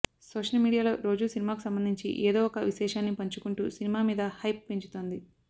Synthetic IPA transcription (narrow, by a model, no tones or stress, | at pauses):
soːʂɐlmiːɽijaːlo̞̰ːɾo̞ːd͡ʒusinimaːkusɐmbɐnd̪ʱiɲt͡ʃḭʔeːd̪oːɔkɐʋiʃɛːʂaːnːipɐɲt͡ʃukuɳʈuːsinimaːmiːd̪ɐhɐjp̚ːeɲt͡ʃu̥t̪o̞ːnd̪i